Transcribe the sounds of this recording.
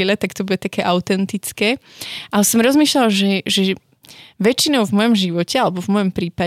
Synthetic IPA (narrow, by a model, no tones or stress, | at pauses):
lɛt̪akt̪ɔbuɟɛt̪akɛːʔaʊt̪ɛnt̪it͡skɛːʔaɛsɔmɾɔzmiːʃlalʒɛʒɛ | ʋɛt͡ʃinɔʊvmɔjɔmʒiʋɔcɛalɛbɔvmɔjɔmpɾiːpa